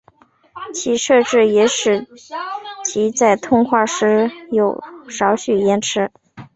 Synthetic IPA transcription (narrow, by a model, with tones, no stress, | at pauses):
t͡ɕʰi˧˥ʂɤ˥˧ʈ͡ʂɻ̩˥˩jɛ˧˥ʂɻ̩˨˩ | t͡ɕʰi˧˥t͡sa˥˩ɪt̪ʰʊ˥˧ŋxwa˥˩ʂɻ̩˥jo˨˩ʊʂɑ˧˥ʊɕy˨˩jɛ˧˥nʈ͡ʂʰɻ̩˥